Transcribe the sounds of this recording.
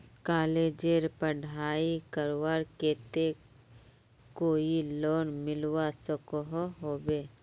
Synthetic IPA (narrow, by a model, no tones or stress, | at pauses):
kaːleːd͡ʒeɾpəɖʱaːikəɾwaɾkeːt̪e | koːiloːnmɪlwasəkɔɦɔɦoːbeː